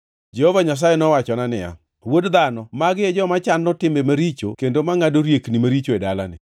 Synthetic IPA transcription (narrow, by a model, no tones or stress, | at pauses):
d͡ʒehɔvaɲas̬ajɛnɔwat͡ʃɔnanɪja̰ | wodd̪anɔmaɡɪɛd͡ʒɔmat͡ʃanːɔtɪmbemaɾit͡ʃo̰kendomaŋadoɾjeknimaɾit͡ʃoedala̰nɪ̰